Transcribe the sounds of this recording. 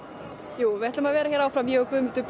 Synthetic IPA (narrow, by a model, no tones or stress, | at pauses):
juːvɪɛht̪amaðvɛːɾaçɛːɾawfɾamjɛɣɔkʰvʏːmʏ̥t̪ʏp